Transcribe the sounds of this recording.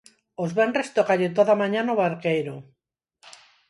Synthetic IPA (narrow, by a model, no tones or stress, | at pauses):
ozβenrest̪okaʎet̪̬oðamaɲanoβaɾkejɾo